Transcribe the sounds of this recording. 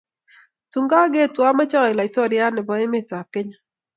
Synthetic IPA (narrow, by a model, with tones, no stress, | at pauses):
tu˨ŋɡa˦ɡe˦˨twa˦ma˦t͡ʃa˦˨ɪ˨la˨i˨tɔ˦˨ɾja˦nɪ˨bɔ˨˦ɪ˦mɪ˦ta˨kɪ˦ɲa˦